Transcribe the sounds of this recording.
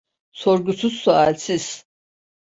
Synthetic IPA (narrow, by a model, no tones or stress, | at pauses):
soɾɡusuzːualʲsiz̥